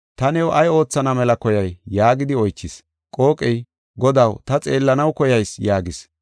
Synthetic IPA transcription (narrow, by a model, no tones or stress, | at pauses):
t̪ɐnɛwʔɐjo̞ːt͡sːɐnɐmɛlɐkɔjɐjːaːɡɪd̪ɪɔjt͡ʃːɪs | kʼo̞ːkʼɛj | ɡɔd̪ɐwt̪ɐt͡sʼe̞ːlːɐnɐwkɔjɐjsjaːɡɪs